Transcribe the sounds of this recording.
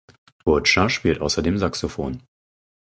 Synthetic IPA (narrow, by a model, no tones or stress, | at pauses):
bʊɐtʃaʃpiːltʔaʊsɐdeːmzaksofo̰ːn